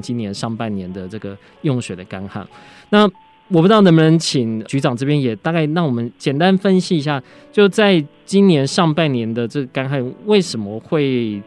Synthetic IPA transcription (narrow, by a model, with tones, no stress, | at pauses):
t͡ɕi˦njɛ˧˦nʂɑ˥˧ŋpa˥˩nnjɛ˧˦nd̪ə˨ʈ͡ʂɤ˥˩ɡə˩ | jʊ˥˩ŋɕɥɛ˨˩d̪ə˦ka˥nxa̰˥˩n | na˥˨ | wɔ˨˩pu˥ɑ˥˩n˧˥mbə˧nə˧˦ŋt͡ɕʰi˨˩ŋt͡ɕy˧˥ʈ͡ʂɑ˨˩ŋʈ͡ʂɤ˥˧pjɛ˦njɛ˨˩t̪a˥˧ka˥˧ɪnɑ˥˩ŋwɔ˨˩mə˦nt͡ɕjɛ˨˩nt̪a˦˥nfə˦nɕi˧˨i˧˥ɕ̬ja˥˩ | t͡ɕjo˥˧ʊt͡sa˥˩ɪt͡ɕi˦˥nnjɛ˧˦˥nʂɑ˥˧ŋpa˥˩nnjɛ˧˥nd̪ə˨ʈ͡ʂɤ˥˩ɡə˩ka˥nxa˥˩nwe˥˩ɪʂə˧˥nmə˨xwe˥˩ɪ